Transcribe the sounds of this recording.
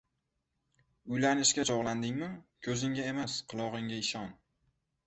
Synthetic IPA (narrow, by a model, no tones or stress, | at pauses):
ʊjlanɪʃkʲat͡ʃʰɒʁlˠand̪ɪŋmɪkʲʰɵzɪŋʲae̞masqʰɨlˠɒʁɨŋʲaɪʃɒn